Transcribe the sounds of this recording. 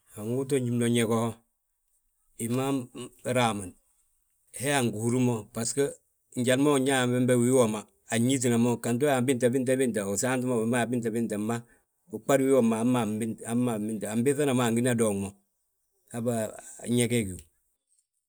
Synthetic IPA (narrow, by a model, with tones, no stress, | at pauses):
ha˨ŋu˦t̬o˦ɲ˦i˦mno˨ɲe˨ko˦ho˦ | i˨ma˦ɾa˨ma˨n | he˦a˨ŋɡu˨hu˦ɾu˦mo˦pa˨skə˦ | ɲ˦d͡ʒa˨n˦mo˦˨ɲa˦˨mbe˦mbe˦wi˦wo˨maː˨ɲi˦t̬i˨na˨mo˦ka˨nt̬o˦a˨mbi˦nta˨bi˦nt̬a˦bi˦nt̬a˨u˨sa˦nt̬u˦mo˦˨ba˦˨bi˦nta˨bi˦nta˨ma˦ | u˨k͡pa˦dwi˦wo˦˨maː˨˦ma˨mbi˦na˨˦mːa˨mbi˦nta˨a˨mbi˦θa˦na˨ma˨ŋɡi˦na˦do˨ŋmo˨ | a˦ba˦ɲe˦ke˦ki˨u˨